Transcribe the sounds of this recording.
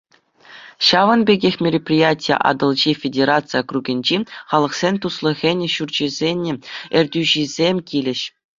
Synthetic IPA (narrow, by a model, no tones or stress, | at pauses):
ɕɑʋɤ̆nbʲeɡʲexʲmʲerʲepʲrʲijatʲijḛʔɑ̰d̪ɤ̆lˠʑifʲedʲeɾat̪t͡sɨjakruɡʲɘ̆nʲd͡ʑiχɑlˠɤ̆χsʲenʲt̪uslˠɤ̆ɣʲenʲɘ̆ɕurd͡ʑĭzʲenʲːɘ̆ɘ̆rʲdʲyʑizʲemʲkʲilʲɘ̆ɕ